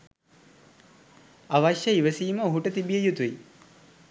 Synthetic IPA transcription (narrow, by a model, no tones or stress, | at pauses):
aʋaʃjəiʋəsiːməuɦuʈət̪ibijejut̪ui